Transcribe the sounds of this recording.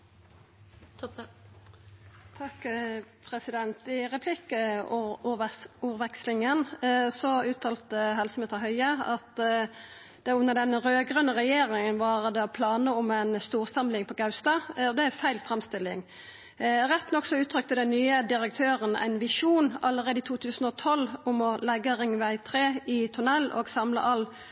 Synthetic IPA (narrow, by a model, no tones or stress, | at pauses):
t̪ʰɑkpʰɾɛsɪd̪ɛnt̪ɪʁɛpʰlɪkə | uːʁʋɛkslɪŋənsɔʉːt̪ʰɑːlt̪əɦɛlsəmɛːt̪ɑhœʏəɑt̪ | d̪̥ɛʊnːəʁd̪ɛnɾøːɡʁənəʁɛjeːɾɪŋənʋɑʁd̪ɛɔpʰlɑːnəʊmæɪnst̪uːʁsɑmlɪŋpʰɔɡɑʉst̪ɑːɔd̪ɛæfæɪlfʁɛmst̪ɪlːɪ̰ŋ | ɾɛt̪ːnɔkːsɔʉːt̪ʰɾʏk̚t̪əd̪ɛnyːəd̪ɪʁək̚t̪ʰøːʁənæ̰ɪnʋɪʂuːnɑləʁeːd̪əɪt̪ʰuːt̪ʰʉːsənɔt̪ʰɔlʊmɔlɛɡːəʁɪŋʋæɪt̪ʰɾeːɪt̪ʰʉnɛlːʔo̰ːɡsɑmlə̰ʔɑl